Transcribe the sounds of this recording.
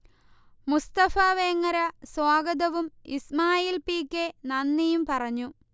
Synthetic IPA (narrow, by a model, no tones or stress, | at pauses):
must̪ɐfaːʋeːŋːɐɾɐswaːɡɐd̪ɐʋumḭsmaːjiːlpiːkʲːenɐnːijumpɐrɐɲːu